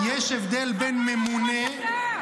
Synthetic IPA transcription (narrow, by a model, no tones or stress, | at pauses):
jeʃevd̪elbenmemune